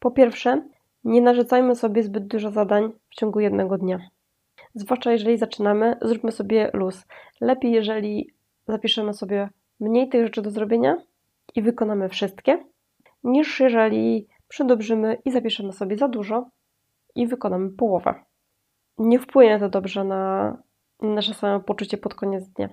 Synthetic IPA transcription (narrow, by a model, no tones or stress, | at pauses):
pɔpʲjɛɾfʂɛ | ɲɛnaʐut̪sajmɘsɔbʲjɛzbɘd̪̚d̪uʐɔzad̪aɲft͡ɕɔŋɡujɛd̪nɛɡɔd̪ɲa | zvwaʂt͡ʂajɛʐɛlʲizat͡ʂɘnamɘzɾupʲmɘsɔbʲjɛluslɛpʲejːɛʐɛlʲi | zapʲiʂɛmɘsɔbʲjɛ | mɲejt̪ɘɣʐɛt͡ʂɘd̪ɔzɾɔbʲjeɲa | ʔivɘkɔnamɘfʂɘst̪kʲɛ | ɲiʂjɛʐɛlʲi | pʂɛd̪ɔbʐɘmɘʔizapʲiʂɛmɘsɔbʲjɛzad̪uʐɔ | ʔivɘkɔnamɘpɔwɔvɛ̰ | ɲɛfpwɘɲɛt̪ɔd̪ɔbʐɛna | nanaʂɛsamɛpɔt͡ʂut͡ɕɛpɔt̪kɔɲɛd̪zd̪ɲa̰